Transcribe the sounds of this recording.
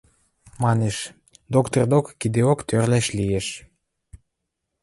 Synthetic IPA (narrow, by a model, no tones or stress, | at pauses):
mɑneʃ | d̪okt̪ord̪okːid̪eokt̪ørlæʃlieʃ